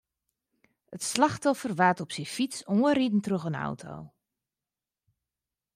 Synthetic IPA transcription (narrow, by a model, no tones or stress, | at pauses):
ətslaxtɔfərʋatɔpsifisoəridn̩troxəna̰wtʰo̰ː